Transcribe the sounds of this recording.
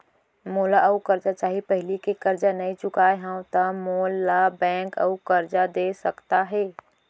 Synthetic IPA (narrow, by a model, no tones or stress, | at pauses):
molaʔəukəɾd͡ʒat͡ʃaːɦipəɦɪlikekəɾd͡ʒanəit͡ʃʊkaeɦãʊ̃t̪əmolabɛ̃ŋkə̰ukəɾd͡ʒad̪esəkt̪aɦɛː